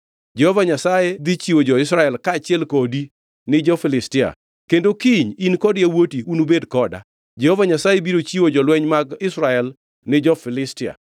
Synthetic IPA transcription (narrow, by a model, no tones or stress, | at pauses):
d͡ʒɛhovaɲasajed̪it͡ʃiwod͡ʒɔɪsɾaɛlkaːt͡ʃɪɛlkodi | nɪd͡ʒɔfɪlɪstɪa̰ | kendokiɲinkɔdjawotiunubedkɔda̰ | d͡ʒɛhovaɲasajebiɾot͡ʃiwod͡ʒɔlwɛɲmaɡɪsɾaɛl | nɪd͡ʒɔfɪlɪstɪa̰